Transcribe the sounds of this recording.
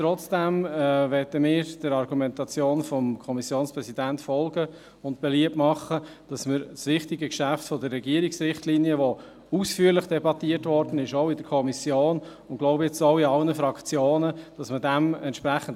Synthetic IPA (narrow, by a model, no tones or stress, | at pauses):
t̪ɾɔt͡sd̥æmʋɛtəmɪːɾd̥əɾɑɾɡumɛntɑt͡sjoːnfɔmkʰɔmisjoːnspɾɛsidæntfɔlɡə | ʊntb̥ɛliəpmɑχːəd̥ɑsmɪɾsʋɪχtɪɡəkʃæftfɔdəɾːɛɡiəɾiksɾɪχtliːnjəʋo | usfyːəɾlɪχd̥ɛbɑtiətvɔɾd̥ən̩ɪʃoʊɪdəɾkʰɔmisjoːnʊntɡ̥lɔʊbəɛt͡soʊiɑlnəfɾɑkt͡sjoːnəd̥ɑsmədæmɛ̰ntʃpɾæχən̩